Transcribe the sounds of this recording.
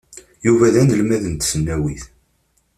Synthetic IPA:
juvæðænəlmæðənt̪sənːæwiθ

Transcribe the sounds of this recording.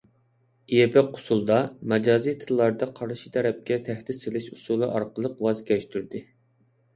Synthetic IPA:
ijepɛqʰːʊ̥sulˠd̪ɑmɛd͡ʒɑːzijt̪ʰɨlˠːɑɾd̪ɑqʰɑɾʃi̥t̪ʰɛɾɛp̚kʲɛt̪ʰæht̪ɪt̪selɪʃusulˠɨʔɑɾqəlˠəqwɑzkʲɛʃt̪ʰyɾd̪ɪ

